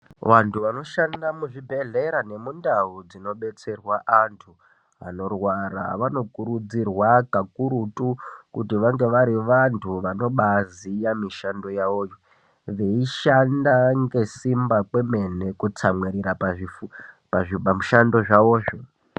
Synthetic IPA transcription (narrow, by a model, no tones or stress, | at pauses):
ʋantʰuʋano̞ʃandamuʐibʱe̞ɮe̞ɾane̞mundaud͡zino̞ɓe̞t͡se̞rwaʔantʰu | a̰no̞rwaɾa̰ʋano̞kuɾud͡zirwakakuɾutukutiʋaŋɡe̞ʋaɾiʋantʰuʋano̞ɓazijamiʃando̞jaoːjo | ʋe̞iʃandaŋɡe̞simbakwe̞me̞ne̞kut͡samweɾiɾapaʐifu | paʐipamuʃando̞ʐao̞ːʐo